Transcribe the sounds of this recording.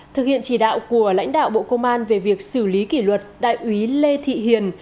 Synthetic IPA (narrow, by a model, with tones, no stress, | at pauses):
t̪ʰɨ˨k̚hḭ˧˨ənt͡ɕi˧˩ɗa̰ː˧˨wku˧˩əla̰˧˥jŋ̟ɗa̰ː˧˨wɓo̰˧˨kə˧wŋ͡mʔaː˧nve˨˩vi˨˩ək̚sɨ˧˩li˨˦ki˧˩lwə˨˩t̚ɗa̰ː˧˨jʔwi˨˦le˧t̪ʰḭ˧˨ɦi˨˩ən